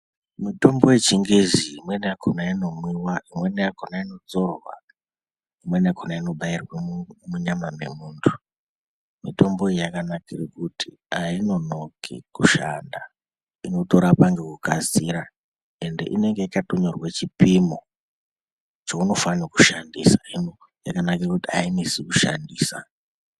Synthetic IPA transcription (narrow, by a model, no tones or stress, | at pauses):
mito̞mbo̞je̞t͡ʃiŋɡeziːmwe̞nijakʰonaino̞mwiwaimwe̞nejakonaino̞d͡zo̞rwa̰ | imwe̞nejakʰonaino̞ɓairwemuɲamame̞̰muːntʰu̥ | mito̞mbo̞ejakanakirikuti | aino̞no̞kʰḭkuʃanda | ino̞to̞ɾapaŋɡe̞kukaziɾa | e̞nde̞̰ʔine̞ŋɡe̞ikatoɲorwet͡ʃipimo | t͡ʃouno̞faniku̥ʃandisaino | jakanakirekutiainisikuʃa̰ndiːsa̰